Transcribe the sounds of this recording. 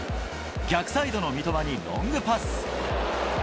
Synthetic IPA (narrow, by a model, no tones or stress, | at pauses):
ɡʲakɯ̟̥said̪o̞no̞mʲit̪o̞maɲ̟iɾõ̞̰ŋɡɯ̟pasɨ̥